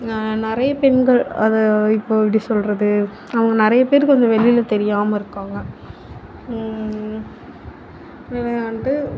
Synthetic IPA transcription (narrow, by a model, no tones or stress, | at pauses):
nɪɾɐjɐpɛnɡɐɭɐðɐɪpːoːpɽisɔlɾɐðɯ | ɐʋɐŋɡɐnɪɾɐjɐpeːɾkɯɔɲd͡ʒɐʋɛɭɪjɪlɐt̪ɛɾɪjaːmɐɪɾɯkːaːŋɡɐ | nɪɾɐjaːɳɖɯ